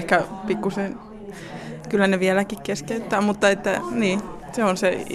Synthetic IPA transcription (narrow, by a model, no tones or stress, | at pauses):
hkæpikːusen | kylːæneʋiælækikkeskeyt̪ːæːmut̪ːɑet̪ːæniː | seonse